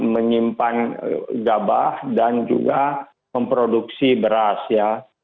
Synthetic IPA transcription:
məɲimpanɡaba̰hdand͡ʒṵɡa | məmpɾoduk̚sibəɾasja

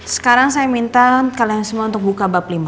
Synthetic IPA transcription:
sə̥kaɾaŋsajamint̪akaliaŋsəmuaunt̪ʊk̚bukabaplima

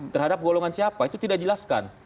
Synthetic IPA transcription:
t̪ərhadap̚ɡolɔŋansiapait̪ut̪idaʔd͡ʒəlaska̰n

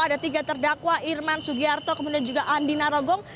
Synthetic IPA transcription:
adat̪iɡat̪ərdakwaʔirmansuɡiart̪okəmudiand͡ʒuɡaʔandinaɾɔɡɔŋ

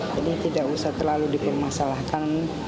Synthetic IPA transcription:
d͡ʒadit̪idaʔusaht̪ərlaludipərmasalahkan

